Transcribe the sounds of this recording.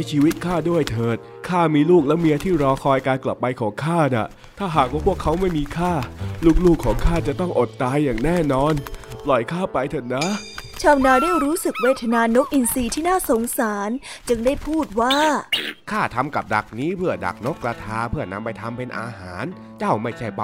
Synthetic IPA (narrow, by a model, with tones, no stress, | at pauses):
a˧˩jt͡ɕʰiː˧wi˦˥t̪̚kʰaː˥˩du˥˩əjt̪ʰɤː˨˩t̪̚ | kʰaː˥˩miː˧luː˥˩k̚lɛ˦˥wmi˧ʔa˧t̪ʰiː˥˩ɾɔː˧kʰɔː˧jkaː˧nkla˨˩pːa˧jkʰɔː˩˦ŋkʰaː˥˩na̰˨˩ | t̪ʰaː˥˩ɦaː˨˩k̚waː˥˩pʰu˥˩əkʰːa˦˥wma˥˩jmiː˧kʰaː˥˩luː˥˩k̚luː˥˩kʰːɔː˩˦ŋkʰaː˥˩t͡ɕa˨˩t̪ɔ˥˩ŋʔo˨˩t̪̚ːaː˧jːaː˨˩ŋnɛː˥˩nɔː˧nplɔ˨˩jkʰaː˥˩pa˧jt̪ʰɤː˨˩t̪̚na˦˥t͡ɕʰaː˧wnaː˧daː˥˩jɾuː˦˥sɯ˨˩k̚weː˧˩t̪ʰa˧naː˧no˦˥k̚ʔi˧nsiː˧t̪ʰiː˥˩naː˥˩so˩˦ŋsaː˩˦nt͡ɕɯ˧ŋdaː˥˩jpʰuː˥˩t̪̚waː˥˩kʰaː˥˩t̪ʰa˧mka˨˩p̚da̰˨˩k̚niː˦˥pʰɯ˥˩əda̰˨˩k̚no˦˥kːɾa˧t̪ʰaː˧pʰɯ˥˩ɐna˧mpa˧jt̪ʰa˧mpe˧nʔa̰ː˧haː˩˦n | t͡ɕa˥˩wma˥˩jt͡ɕʰa˥˩jpa˧˩